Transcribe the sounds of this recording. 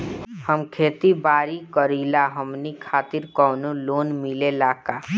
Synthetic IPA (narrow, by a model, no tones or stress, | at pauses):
həmkʰeːt̪ibaːɾikəɾilaɦəmnikʰaːt̪iɾkɔwnoloːnmilelaːka